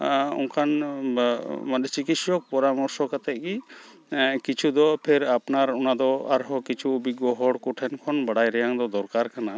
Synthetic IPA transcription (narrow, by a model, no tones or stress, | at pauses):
ɔ̰ŋkʰan | maɗ̪ɛt͡ʃikit̪sɔk̚pɔɾamɔɾsɔkat̪ɛʔ̪̚ɡi | kit͡ʃʰud̪ɔpʰɛɾapnaɾɔnad̪ɔa̰ɾɦɔkit͡ʃʰubiɡɔɦɔɽkɔʈʰɛnkʰɔnbaɽajɾɛjaŋd̪ɔd̪ɔɾkaɾkana